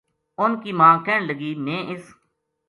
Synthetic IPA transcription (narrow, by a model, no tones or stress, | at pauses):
ʊnkiːmãːkɛːɳləɡiːmẽːʔɪs